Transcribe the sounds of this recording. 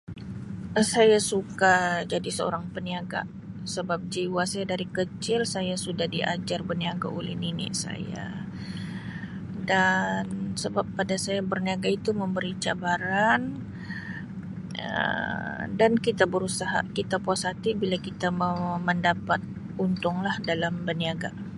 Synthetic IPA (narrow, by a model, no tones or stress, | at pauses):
əsajasukad͡ʒadisəo̰ɾaŋpəniaɡa̰ | səbap̚d͡ʒiwasajadaɾikət͡ʃɪlsajasudahdiʔa̰d͡ʒarbəniaɡa̰olɛhninɪ̰ʔsa̰ja̰ | dansəbap̚ːadasajabərniaɡait̪uməmbəɾit͡ʃabaɾan | ə̰ | dankit̪abəɾusaɦa̰kit̪apuasat̪ibilakit̪amməndapat̪̚ | unt̪ʊŋlahdalambəniaɡa̰